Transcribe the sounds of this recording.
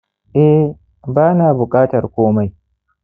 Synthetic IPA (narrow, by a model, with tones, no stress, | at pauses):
ʔɛ˦ | baː˦naː˨bʊ˨kʼaː˦tɐ˨rkʷoː˦ma˦j